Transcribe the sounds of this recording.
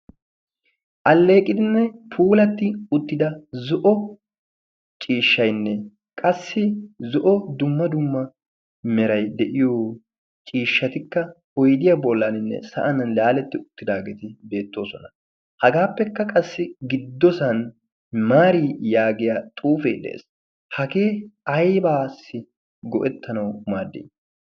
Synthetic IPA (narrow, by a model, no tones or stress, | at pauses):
ʔɐlːe̞ːkʼɪd̪ɪnːɛpʰuːlɐt̪ːɪʊt̪ːɪd̪ɐzɔʔɔ | t͡ʃʼiːʃːɐjnːɛ | kʼɐsːɪzɔʔɔd̪ʊmːɐd̪ʊmːɐ | mɛɾɐjd̪ɛʔɪjoː | t͡ʃʼiːʃːɐt̪ɪkːɐhɔjd̪ɪjɐbɔlːɐnɪnːɛ̰sɐ̰ʔɐnɐnlaːlɛt̪ːɪʊt̪ːɪd̪aːɡeːt̪ɪbe̞ːt̪ːo̞ːsɔnɐ | hɐɡaːpːɛkːɐkʼɐsːɪɡɪd̪ːɔsɐn | maːɾiːjaːɡɪjaːt̪ʼuːfɛjd̪ɛ̰ʔḛs | hɐɡe̞ːɐjbaːsːɪ | ɡɔʔɛt̪ːɐnɐwmaːd̪ḭ